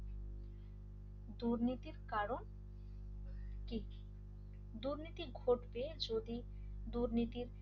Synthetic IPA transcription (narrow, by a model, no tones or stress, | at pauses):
d̪uɾnit̪iɾkaɾon | ki | d̪uɾnit̪iɡʱoʈbed͡ʑod̪i | d̪uɾnit̪iɾ